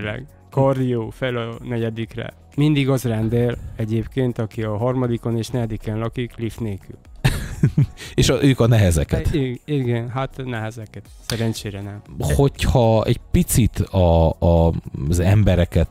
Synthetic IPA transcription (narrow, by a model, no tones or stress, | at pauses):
lɛ̰ɡ | kɒrd̪ijoːfɛlɒnɛɟɛd̪ikrɛ̰ | mind̪iɡɒzrɛnd̪elɛɟeːpkeːnt̪ɒkiɒɦɒrmɒd̪iko̞neːʃnɛɛd̪ikɛnlɒkiklift̪neːky̰l | eːʃʔøːkɒnɛɦɛzɛkɛt̪iɡɛnɦat̪nɛɦɛzɛkɛt̪sɛɾɛnt͡ʃeːɾɛnɛmho̞chɒɛ̰ɟpit̪sit̪ɒː | zɛmbɛɾɛkɛt̪